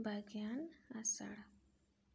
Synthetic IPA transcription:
bʱəɡjanasa̰ɽ

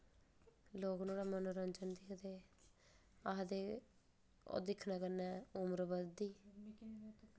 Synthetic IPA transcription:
loːknoːɽaːmənoːɾənd͡ʒənd̪ɪkʰd̪eː | aːɦd̪eː | o̰ːd̪ɪkʰːnaːkəɾnɛːʊmɾbəd̪iː

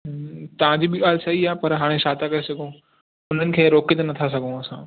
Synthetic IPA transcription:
t̪ɐʋ̤ãd͡ʑiːbɪɠaːlsɐɦiaːpɐɾɦaːɽ̃ẽʃaːt̪akɐɾesɐɡʱõ | ʊn̤ənɪ̆kʰeːɾoːkɪt̪nɐt̪ʰas̬ɐɡʱõɐsãː

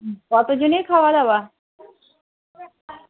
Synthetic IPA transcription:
kɔt̪od͡ʑonejkʰaoad̪ɛba

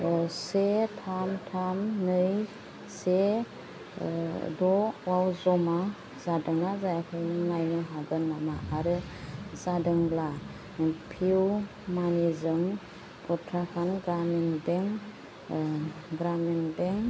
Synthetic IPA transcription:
setʰamtʰamnɯj | se | dɔwawzɔma | zadɯŋnazajakʰɯjnŋajnɯɦaɡɯnːamaʔaɾɯ | zadɯŋla | pʰiw | manizɯm | kʰɔtʰɾakʰanɡɾamindeŋ | ɡɾamindeŋ

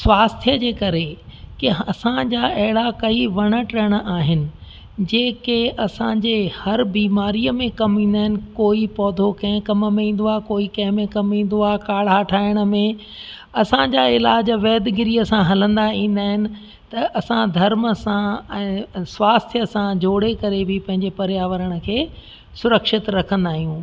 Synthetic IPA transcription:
sʋaːst̪ʰjəd͡ʑeːkɐɾekɪɦɐsãd͡ʑaːʔɐɦɪɽakɐiʋɐɽ̃əʈəəɽ̃ʔaːɦɪnɪ̆ | d͡ʑeːkeʔɐsãːd͡ʑeːhɐɾbiːmaːɾiəmẽkɐmĩːnd̪aːɦɪnɪ̆koːipɔːd̪ʱokɐ̃ɦɪ̃kɐmmẽĩːn̆d̪oaːkoːikɐ̃ɦɪ̃mẽkɐmĩːn̆d̪oaːɦkaːɭ̤ɦaːʈʰaːɪɽ̃ə̆mẽ | ɐsãd͡ʑaːɪlaːd͡ʑʋɛːd̪ɪɡɪɾijəsãɦɐlə̃nd̪aĩːnd̪aːɦɪnɪ̆ | t̪ɐʔɐsãd̪ʱɐɾməsãɛ̃ːsʋaːst̪ʰjəsãd͡ʑoːɽekɐɾebʱɪpɐ̃ɦɪ̃ɲd͡ʑepɐɾjaːʋəɾəɽ̃ə̆kʰeː | sʊɾəkʃɪt̪ɾɐkʰə̃nd̪aːɦijũː

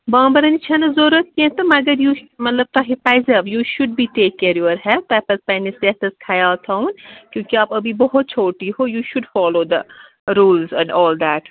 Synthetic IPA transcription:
bãːmbɐɾɐ̃nit͡ʃʰãnɐzoːɾət̪̚kẽt̪ɐmɐɡəɾjuːmɐt̪ləb̚t̪aːɦepaɪzɐʋjuːʃʊɖ̚biʈeːkːeɾjoʋəɾɦɛt̪ɛpɐspɛ̃ːneseɛt̪ɐskʰajaːlt̪ʰãʊnkjõːkiaːpɐbʱibɔɦʊt̪̚t͡ʃʰoːʈiɦoːjuːʃʊɖfɔːloːd̪ə̰ | ɾuːlzɛ̃ɳɖɔːld̪æːʈ

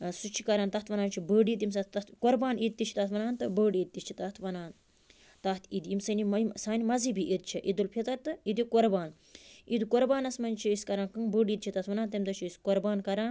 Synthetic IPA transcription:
sut͡ʃʰi̥kɐɾaːnt̪ɐt̪ʰʋɐnaːnt͡ʃʰibəːɖiːt̪ims̬ɐt̪koɾbaːnid̪̚t̪it͡ʃʰi̥t̪ɐt̪ʰʋɐnaːnt̪ɨbəːɖid̪̚t̪it͡ʃʰit̪ɐt̪ʰʋɐnaːn | t̪ɐt̪ʰid̪imsɐnimsaːnimɐzibiʔid̪t͡ʃʰiʔid̪ulpʰet̪ɐɾʲt̪ɨid̪ikoɾbaːn | id̪koɾbaːnɐsmɐnʲt͡ʃʰiiskɐɾaːnkɨŋbəːɖiːd̪̚t͡ʃʰit̪ɐt̪ʰʋɐnaːnt̪ɐmd̪ɐt͡ʃʰiiskoɾbaːnkɐɾaːn

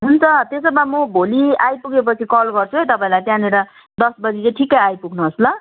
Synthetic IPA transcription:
ɦunt͡sʰʌt̪esʌbamʌbʱoliajpuɡep̬ʌt͡sʰikʌlɡʌrt͡sʰuɦejt̪ʌpãĩlajt̪jãneɾʌ | d̪ʌsbʌd͡zit͡seʈʰikajajpuɡʰʱnuɦʌslʌ

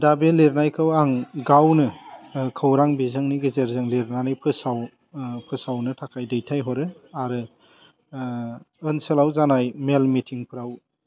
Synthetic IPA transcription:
dabeleɾnajkʰɯwaŋɡawnɯkʰɯwɾaŋbizɯŋniɡɯzeɾzɯŋleɾnanajpʰɯsaw | pʰɯsawnɯtʰakʰajdɯjtʰajɦɔɾɯaɾɯ | ɯnselawzanajmelmitʰiŋpʰɯɾaw

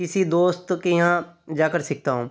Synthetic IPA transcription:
ɪsid̪oːst̪kejɐɦãd͡ʒaːkəɾsɪk̚t̪aːɦũː

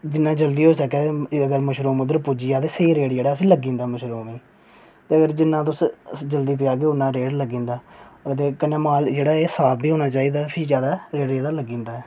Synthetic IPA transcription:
d͡ʒɪnːãːd͡ʒəld̪iːɦoːsəkɛːəɡəɾməʃɾoːmʊd̪əɾpʊd͡ʒiːaːt̪eːseiːɾeːɽd͡ʒeːɽaːəs̬ĩːləɡːĩːnd̪aːməʃɾoːmiː | t̪eːəɡəɾd͡ʒɪnːãːt̪ʊsd͡ʒəld̪iːp̬ɪjaːk̬eːʊnːãːɾeːɽləɡĩːnd̪aːt̪eːkənːeːmaːld͡ʒeːɽaːeːsaːb̚biːɦoːnaːt͡ʃaːiːd̪aːpʰiːd͡ʒjaːd̪aːɾeːɽd͡ʒaːd̪aːləɡĩːnd̪aːɛː

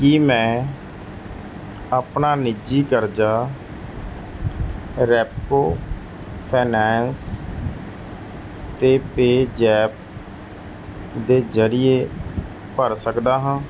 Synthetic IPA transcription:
kimɛ̃ː | apnaːnɪd͡ʒiːkəɾd͡ʒaː | ɾɛːpːoː | pʰeːnɛːns | t̪eːpeːd͡ʒɛːp̚ | d̪eːzəɾɪeː | pəɾsəkd̪aːɦãː

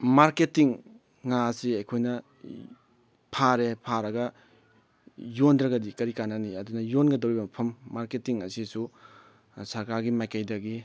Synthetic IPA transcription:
maɾketiŋː | asiɐjkʰojnɐ | pʰaɾepʰaɾɐɡɐ | jondɾɐɡɐdikɐɾikanːɐniɐdunɐjonɡɐdɐwɾibɐmɐpʰɐmːaɾketiŋɐ̰sisu | sɐɾkaɾɡimajkajdɐɡi

